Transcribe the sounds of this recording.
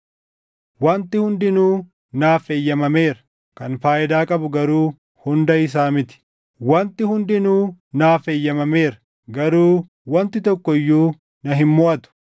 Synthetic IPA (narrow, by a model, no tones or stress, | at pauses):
wɐnt̪ɪhʊnd̪ɪnuː | naːfeːjːɐmɐme̞ːɾɐ̥ | kɐnfaːʔɪd̪aːkʼɐbʊɡɐɾuː | hʊnd̪ɐɪs̬aːmɪt̪ɪ̥ | wɐnt̪ɪhʊnd̪ɪnuːnaːfeːjːɐmɐme̞ːɾɐ̥ | ɡɐɾuː | wɐnt̪ɪt̪ɔkːɔɪjːuː | nɐɦɪmːɔʔɐt̪ʊ̥